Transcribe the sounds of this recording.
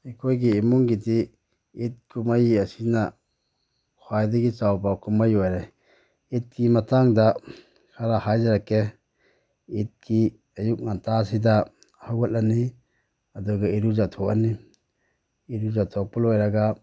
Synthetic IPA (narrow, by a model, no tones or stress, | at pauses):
hikʰojɡiːmuŋɡidi | it̚kumajiasina | kʰwajdiɡit͡ʃawbakumajɔjɾaj | it̚ɡimatʰaŋda | kʰaɾahajzaɾake | it̚ɡi | ɐjuk̚nantʰasida | hawɡat̚lani | ɐduɡaiɾuzatʰɔka̰ni | iɾuzatʰɔk̚pɔlɔjɾaɡa